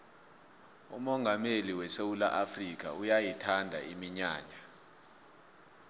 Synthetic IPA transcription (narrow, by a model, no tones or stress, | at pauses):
ṵmɔŋʱameliwɛsewula̰ʔafrik̬a̰ujajitʰandʱa̰imiɲaːɲa